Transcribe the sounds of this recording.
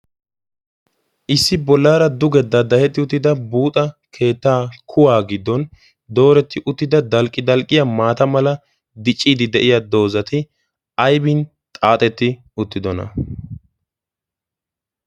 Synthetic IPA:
ʔɪsːɪbɔlːaːɾɐd̪ʊɡɛd̪ɐd̪ɐhɛt̪ːɪʊt̪ːɪd̪ɐbuːt̪ʼɐkʰe̞ːt̪ːaːkʰʊwaːɡɪd̪ːɔn | d̪o̞ːɾɛt̪ːɪʔʊt̪ːɪd̪ɐd̪ɐlkʼːɪd̪ɐlkʼːɪjamaːt̪ɐmɐlɐ | d̪ɪt͡ʃʼːiːd̪ɪd̪ɛʔɪjɐd̪o̞ːzɐt̪ɪ | ɐjbɪn | t̪ʼaːt̪ʼɛt̪ːɪ | ʊt̪ːɪd̪ɔnɐ̰

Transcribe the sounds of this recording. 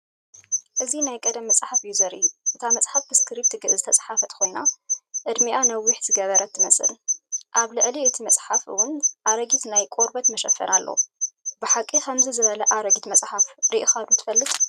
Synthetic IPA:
ʔɨzinajkʼɐd̪ɐmːɐt͡sʼħafɨjuzɐɾʔḭjuʔɨt̪ʰamɐt͡sʼħafbɨskʰɨɾibt̪ʰɨɡɨʔzɨt̪ʰɐt͡sʼħafɐt̪ʰɨ̥kʰo̞jnaʔɨd̪miʔanɐwːʊħz̥ɨɡɐβɐɾɐt̪ʰːɨmɐsɨ̰lʔaβlɨʕliɨt̪ʰimɐsʼħafɨ̰wʊnʔaɾɐɡit̪najkʼoɾbɐt̪mɐʃɐfɐ̰nʔalːo̰bɨħakʼːikʰɐmzizɨβɐlɐʔaɾɐɡit̪mɐsʼħafɾiʔɨxad̪ut̪ʰɨ̥fɐlːɨt̪ʼ

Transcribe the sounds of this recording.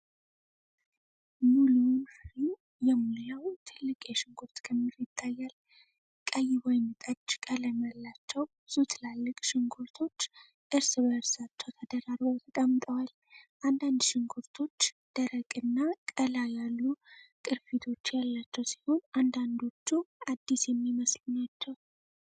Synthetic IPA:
mulunfɾu | jɛmuljawt̪ʰɨlːɨkʼjɛʃɪŋɡuɾt̪kʰəmːiɾɪt̪ʰːajːal | kʼəjɪwɔjnɨt̪ʼəd͡ʒkʼələmalːat͡ʃːɛw | sut̪ʰɨlalːɨkʼʃɪŋɡuɾt̪ʰo̞t͡ʃː | ʔɨɾsbəɨɾsat͡ʃːɛwt̪ʰəd̪əɾaɾbəwt̪ʰəkʼəmːt̪ʼəwal | ʔand̪and̪ʃɪŋɡuɾt̪ʰo̞t͡ʃː | d̪̥əɾəkʼɨnːakʼəlajalːukʼɨɾfit̪ʰo̞t͡ʃːjalːat͡ʃːɛwsi̥ho̞nʔand̪and̪o̞t͡ʃːuad̪ːisjɛmːiməslɨnat͡ʃːɛw

